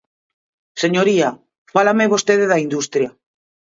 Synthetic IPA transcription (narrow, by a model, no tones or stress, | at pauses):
seɲoɾia | falameβost̪eðeðɐind̪ust̪ɾja